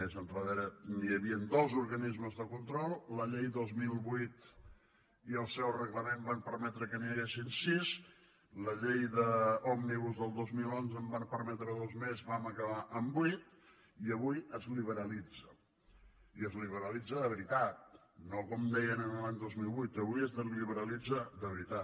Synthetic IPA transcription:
ezənrəðeɾəniəβiənd̪ozuɾɣənizməzðəkunt̪ɾɔlˠləʎejðozmilˠβujt̪ | iəlˠsɛwrəɣləmembampəɾmɛt̪ɾəkəniəɣesinsiz | ləʎejðəɔmniβuzðəlˠd̪ozmilonzəmbampəɾmɛt̪ɾəðozmezβaməkəβaʔəmbujt̪̚ | iəβujəzliβəɾəlid͡zə | iəzliβəɾəlid͡zəðəβəɾit̪at̪̚ | nokɔmd̪ɛjənənəlaɲd̪ozmilˠβujt̪əβujəzðəliβəɾəlid͡zəðəβəɾit̪a

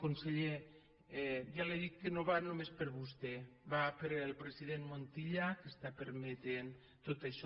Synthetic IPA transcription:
kunseʎe | ʒaleðik̚ːənoβanomespəɾβust̪eβapeɾelˠpɾeziðenmont̪iʎakest̪apəɾmet̪en | t̪ot̪əʃ

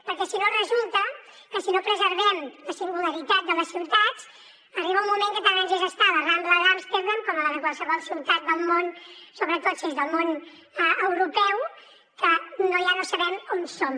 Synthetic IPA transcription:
pəɾkɛsinorəzulˠt̪ə | kəsinopɾəzəɾβɛmləsiŋɡuləɾit̪at̪̚d̪ələsiwt̪at͡s | əriβəumːumeŋkət̪anɛnzezəst̪aβərambləðamst̪eɾðomkɔməəðəkwalˠsəβɔlˠsiwt̪at̪̚d̪əlˠmonsoβɾət̪ot̪sizðəlˠmon | əəwɾupɛw | kənoʒanosəβɛmonsom

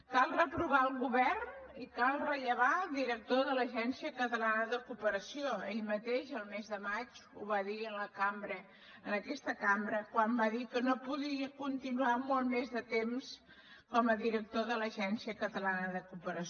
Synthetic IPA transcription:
kalˠrəpɾuβaəlˠɣuβɛrnikalˠrəʎəβ̞ad̪iɾək̚t̪oðələʒɛnsiəkət̪əlanəðəkupəɾəsioeʎmət̪eʃəlˠmezðəmat͡ʃuβaðiənləkambɾə | ənəkɛst̪əkambɾəkwambaðikənopuðɾiəkunt̪inuamolˠmezðət̪ems | kɔməðiɾək̚t̪oðələʒɛnsiəkət̪əlanəðəkupəɾəs

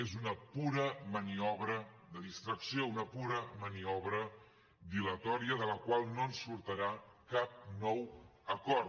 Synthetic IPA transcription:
ezunəpuɾəməniɔβɾə | ðəðist̪ɾəksiounəpuɾəməniɔβɾə | bilət̪ɔɾiəðələkwalˠnoənsuɾt̪əɾakap̚nɔwəkɔɾ

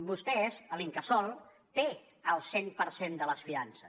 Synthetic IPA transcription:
bust̪ɛzəliŋkəsɔlˠ | t̪e | əlˠsenpəɾsend̪ələsfiansə

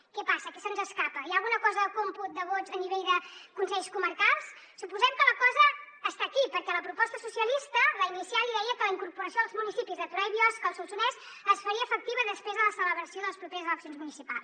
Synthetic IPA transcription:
kɛpasəkəsənzəskapəijalˠɣunəkɔzəðəkomput̪̚d̪əβozəniβeʎðəkunsɛʎskuməɾkalˠs | supuzɛmkələkɔzəː | st̪akipəɾkɛləpɾupɔst̪əsusiəlist̪əβainisialiðɛjəkələiŋkuɾpuɾəsijoðəlˠzmunisipizðət̪uɾajβijɔskəlˠsulsunɛs | əsfəɾiəːfək̚t̪iβəðəspɾezðələsələβɾəsioðəlˠəspɾupeɾəzələksijonzmunisipa̰lˠs

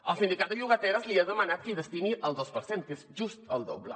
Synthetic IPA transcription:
əlˠsind̪ikat̪̚d̪əʒuɣət̪ɛɾəzliaðəmənat̪̚kiðəst̪iniʔəlˠd̪ospəɾsenkezʒust̪əlˠd̪o̰blə̰

